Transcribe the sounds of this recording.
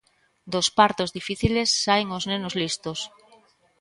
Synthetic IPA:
d̪ospaɾt̪ozðifiθilesːaeŋoznenozlist̪os

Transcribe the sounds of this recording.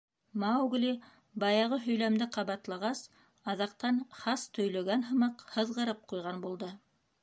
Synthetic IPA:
mawɡli | bɑjɑʁɤɦɵ̆jlæmd̪ɘqɑβɑt̪lˠɑʁɑs | ɑðɑqt̪ɑnχɑst̪ʰɵ̆jlæɡænɦɤ̆mɑqhɤ̆ðʁɤ̆ɾɤp̚qujʁɑnbulˠd̪ɤ

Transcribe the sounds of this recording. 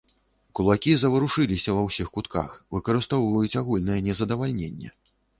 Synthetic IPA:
kulˠakʲizɐvɐɾuʂɨlʲisʲɐvɐwsʲixkut̪ka̰xvɨkɐɾɨst̪ɔwvɐjut͡sʲaɣulʲnɐjɛnʲɛzɐd̪ɐvalʲnʲenʲːɛ̰

